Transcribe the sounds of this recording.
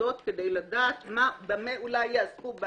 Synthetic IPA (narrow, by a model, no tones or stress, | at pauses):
o̞t̪ked̪ejladaːt̪mabameulajːaazkub